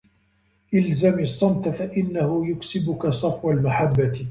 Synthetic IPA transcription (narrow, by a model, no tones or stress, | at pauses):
ʔɪlzamɑsˤːɑmt̪afaʔɪnːahʊjʊksɪbʊkasˤɑfwalmaħabːat̪